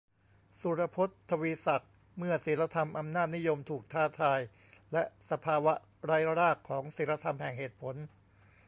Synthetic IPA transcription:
su˨˦ɾa˧pʰo˦˥t̪ʰːa˧wiː˧sa˨˩k̚ | mɯ˥˩ɐsi˩˦nla˧t̪ʰa˧mʔa˧mnaː˥˩t̪̚ni˦˥jo˧mt̪ʰuː˨˩k̚t̪ʰaː˥˩t̪ʰaː˧j | lɛ˦˥ʔsa˧pʰaː˧wa˦˥ | ɾaː˦˥ja˧ɾaː˥˩kʰːɔː˩˦ŋsiː˩˦la˧t̪ʰa˧mhɛ˨˩ŋɦeː˨˩t̪̚pʰo˩˦n

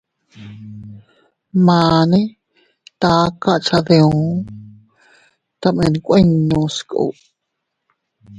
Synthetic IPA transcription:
mãː˨nẽ˦ | t̪aː˦ka˦ʔt͡ʃa˧ðe˧õ˨˦ | t̪a˧mẽ˧˨nkʷʔẽ˦ɲːõ˧sko̰˧˨ʔ

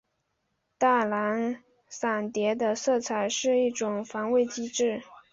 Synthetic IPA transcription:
t̪a˥˩la˧˥n | sa˨˩nt̪jɛ˧˥d̪ə˧sɤ˥˩t͡sʰa˨˩ɪʂɻ̩˥˧i˥˩ʈ͡ʂʊ˨˩ŋfɑ˧˥ŋwe˥˩ɪt͡ɕi˥ʈ͡ʂɻ̩˥˩

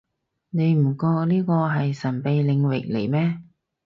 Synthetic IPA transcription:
ne˨˧jm̩˨˩kɔː˧liː˥kɔː˧ɦɐ˨jsɐ˨˩npe˨jlɪ˨˧ŋwɪ̰˨k̚le˨˩jmɛː˥

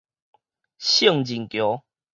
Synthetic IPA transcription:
ɕə˥˨ŋd͡ʑi˨˩ŋkjo˨˦

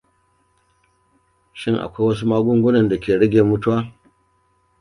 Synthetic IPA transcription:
ʃɪ˦˨ŋʔa̰˨kʷa˦jwɐ˦s̬u˦maː˦ɡʷʊ˦ŋɡʷʊ˦nɐ˨nda˨kʲeː˨ɽɐ˦ɡʲeː˨mʊ˦tu˦waː˦

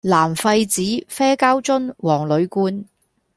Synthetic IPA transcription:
laː˨˩mfɐ˧jt͡siː˨˥fɛː˥kaː˥wt͡sʊ˥nwɔː˨˩ŋlɵ˨˧ɥkuː˥n

